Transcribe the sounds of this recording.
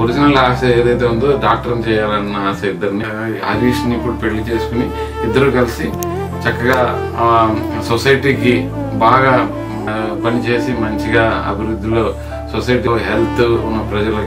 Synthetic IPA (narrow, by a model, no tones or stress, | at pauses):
uɾid͡ʒinɐlɦaːsɐeːd̪ɐjt̪̬e̞ːund̪oɖaːk̚ʈɐɾnt͡ʃɛːjaːlɐnːɐaːʃɐid̪ːɐɾni | ɐɾiːʂnipːuɽupe̞ɭːit͡ʃe̞ːsu̥kuni | id̪ːɐɾuːkɐlisi | t͡ʃɐkːɐɡaː | sosɐjʈiːki | baːɡaː | pɐnit͡ʃe̞ːsimɐɲt͡ʃiɡaːɐ̰bʱiɾud̪ʱːilo̞ː | sosɐjʈ̬oɦelt̪ʰunːɐpɾɐd͡ʒɐlɐk